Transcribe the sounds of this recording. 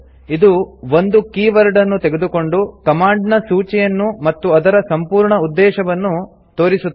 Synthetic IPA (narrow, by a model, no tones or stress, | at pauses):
id̪uʋo̞nd̪ukiːʋɐɾɖɐnːut̪eɡed̪uko̞ɳɖukɐmaːɳɖnɐsuːt͡ʃɛjɐnːumɐt̪ːuɐd̪ɐɾɐsɐmpuːɾɳɐud̪ːɛːʃɐʋɐnːu | t̪oːɾisut̪ː